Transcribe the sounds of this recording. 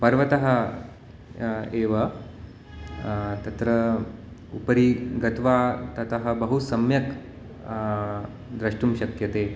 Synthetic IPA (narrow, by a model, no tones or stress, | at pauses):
pɐɾʋɐt̪ɐɦɐ | eːʋɐ | t̪ɐt̪ɾɐ | upɐɾiɡɐt̪ʋaːt̪ɐt̪ɐɦɐ̆bɐɦusɐmjɐk | d̪ɾɐʂʈumɕɐkjɐt̪eː